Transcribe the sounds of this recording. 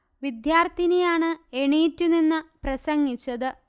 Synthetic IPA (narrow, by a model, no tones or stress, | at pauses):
ʋid̪jaːrt̪ʰinejaːɳɨeɳiːtːuninːɨprɐsɐŋːit͡ɕːɐðɨ